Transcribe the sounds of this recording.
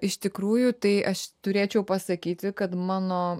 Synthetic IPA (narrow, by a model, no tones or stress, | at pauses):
ɪʃt̪ʲɪkɾuːjʊt̪ɐɪʔɐʃt̪ʊɾʲeːt͡ʃʲɛʊpɐsɐkʲiːt̪ʲɪkɐt̪mɑːnoː